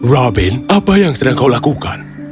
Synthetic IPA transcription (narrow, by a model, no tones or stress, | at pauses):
rɔbinapəjaŋsədaŋkawlakuka̰n